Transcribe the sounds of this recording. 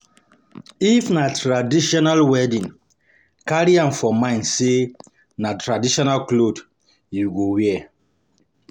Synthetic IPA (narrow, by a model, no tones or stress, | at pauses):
ifnatɹadiʃɔnalwɛdĩn | kaɾiãmfɔmãɪ̃nse | natɹadiʃɔnalklod | juɡowɛɛ